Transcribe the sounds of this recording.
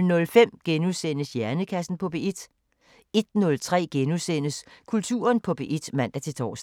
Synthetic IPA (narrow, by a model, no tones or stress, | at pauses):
nɔ̽lfem̰ɡ̥enusen̰əsjæɐnəkʰæsn̩pʰɒ̽b̥e̝ʔid̥ | e̝d̥nɔ̽lt͡sʰʁɛ̰ːɡ̥enusen̰əskʰult͡sʰṵːɐnpʰɒ̽b̥e̝ʔid̥mæn̰d̥æt͡sʰe̝t͡sʰɒ̰ːs